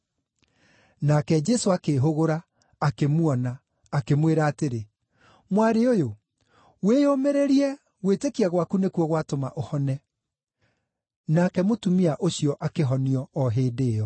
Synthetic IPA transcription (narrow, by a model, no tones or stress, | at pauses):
nakɛd͡ʒɛsoakeɦoɣoɾaː | kemwɔnaː | kemweɾaːteɾe | mwaɾeojo | wejomeɾeɾiɛ | ɣwetekiaɣwakunekuɔɣwatoma̰ʔohɔnɛ | nakɛmotumiaʔoɕjɔʔakeɦɔniɔɔɦeːdeːjɔ